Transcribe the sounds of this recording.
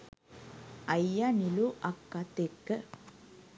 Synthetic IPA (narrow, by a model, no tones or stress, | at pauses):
ɐjːaniluʔɐkːat̪ekːə